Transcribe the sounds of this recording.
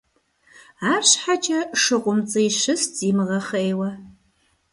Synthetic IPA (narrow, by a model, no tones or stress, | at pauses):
aːɕħat͡ʃʼɐʂɨqʷʊmt͡sʼɐjʃɨsziːmɨʁɐχɐeːwɐ